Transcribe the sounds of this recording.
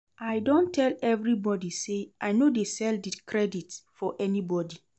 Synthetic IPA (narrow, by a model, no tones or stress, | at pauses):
ʔajdõntʰɛlɛvɹibɔdiseʔajnodesɛldikʰɹɛditfɔʔɛnibɔdi